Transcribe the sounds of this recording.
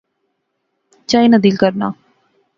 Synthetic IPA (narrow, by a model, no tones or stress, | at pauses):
t͡ʃaːinəd̪iːlkəɾna̰ː